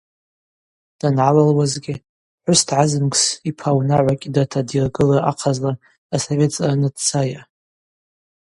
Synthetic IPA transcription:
d̥anʕalalwazɡʲɪ | ħʷʊstʰʕazɨnɡsipʰawnaʕʷakʲʼdatʰadirɡɨlaʔaqʰazlaː | sove̞tt͡sʼanɨdt͡sʰaja

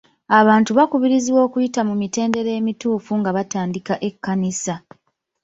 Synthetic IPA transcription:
aβaːntuβakuβiɾiziwo̞ːkujitamumite̞ːnde̞ɾe̞ːmituːfuŋɡaβataːndikaʔe̞kːanisa

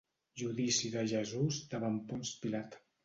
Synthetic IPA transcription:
ʒuðisiðəʒəzuzd̪əβampunspilat̪

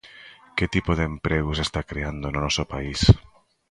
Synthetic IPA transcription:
ket̪ipoðempɾeɣ̞osest̪akɾeand̪ononɔsopais

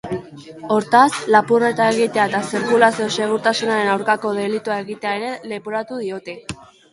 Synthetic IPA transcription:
o̞ɾt̪aslapure̞t̪ae̞ɣit̪eaet̪asiɾkulasio̞se̞ɣ̞uɾt̪asunaɾe̞nawɾkako̞ðe̞lit̪uae̞ɣit̪e̞ae̞ɾe̞le̞poɾat̪uð̞io̞t̪e̞

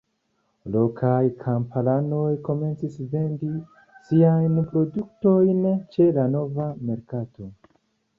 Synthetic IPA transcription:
lo̞kʰajkʰampalano̞jko̞me̞nt͡sisve̞ndi | siajnpɾo̞duk̚to̞jnt͡ʃe̞lano̞vame̞ɾkato̞

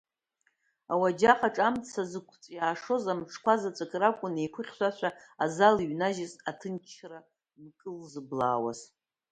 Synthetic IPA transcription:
awad͡ʒaqʰʼaʈ͡ʂʼamt͡sʰazɨkʷʰt͡sʼjaːʂo̞zamʈ͡ʂʰkʷʰazat͡sʷʼakʼrakʷʼʊnejkʷʰʊχʲʃʷaʃʷʰᶣaazaliɥnaʒɪzatʰɨnt͡ʃʰra | mkʼɨlzɨblaːwa̰z̥

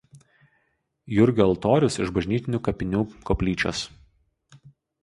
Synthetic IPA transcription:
jʊɾʲɡʲʊɐlˠt̪oːɾʲʊsɪʒbɐʒʲnʲiːt̪ʲɪnʲuːkɐpʲɪnʲuːkɔːpʲlʲiːt͡ʃʲo̰ːs

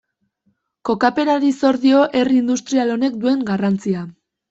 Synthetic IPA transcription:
ko̞kape̞naðiso̞ɾðio̞ʔe̞riiːnd̪ust̪ɾialo̞ne̞k̚d̪ue̞ŋɡarant͡sia

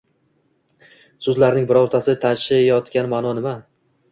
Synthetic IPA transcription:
sʊzlaɾnɪŋbɪɾoɾt̪ʰasɪt̪ʰanʃajɒt̪kʲanmanɒnɪma

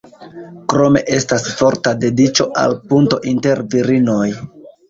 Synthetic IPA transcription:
kɾo̞me̞̰ʔe̞stasfo̞ɾtade̞dit͡ʃo̞ʔa̰lpunto̞ʔinte̞ɾviɾino̞j

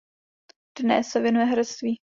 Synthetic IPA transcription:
d̥nɛ̰sːɛvjɛnujɛɦɾɛt͡st̪viː

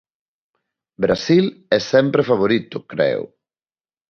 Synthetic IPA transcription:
bɾasilɛsɛmpɾefaβ̞oɾit̪ʊkɾɛ̰w̰

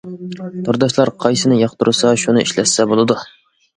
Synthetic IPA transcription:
t̪ʰʊɾd̪ɑʃlˠɑɾqʰɑjsɪnɪjɑqt̪uɾɨsɑʃunɨʔḭʃlɛssɛbolˠɨd̪u

